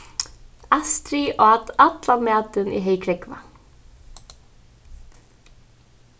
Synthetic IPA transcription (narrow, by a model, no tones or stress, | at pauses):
ast̪ɾiʔɔat̪at̪lamaːt̪ʏnḭɦejkʰɾɛkva̰